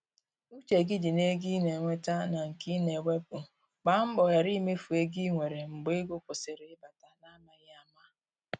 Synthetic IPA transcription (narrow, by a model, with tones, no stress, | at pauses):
u˦t͡ʃe˨ɡɪ˦d͡ʒi˨ne˦ɡi˦ne˨ŋʷe˦ta˦na˨ŋ̩˨ki˦ne˨ŋʷe˦pu˨ | k͡pa˨ŋ͡m̩˦ɡ͡bɔ˨ja˨ɾi˦me˦fu˨e˦ɡi˦ŋʷe˨ɾe˨ŋ͡m̩˨ɡ͡be˦ɡʊ˦kʊ˨sɪ˨ɾe˨ɪ˦ba˨ta˦na˦ma˦ɣa˦ma˦